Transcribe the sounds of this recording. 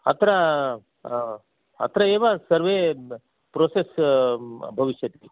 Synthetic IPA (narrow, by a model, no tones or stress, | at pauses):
ɐt̪ʰɾa | ɐt̪ʰɾɐeːʋasɐɾʋe | pɾoːses | bʱɐʋiʂjɐt̪ki